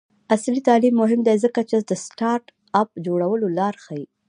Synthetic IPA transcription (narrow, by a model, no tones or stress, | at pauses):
aslit̪ɑlimːʊɦɪmd̪ezəkat͡ʃed̪əsʈɑɾʈ | ap̚d͡ʒoɽawəlolɑɾxaji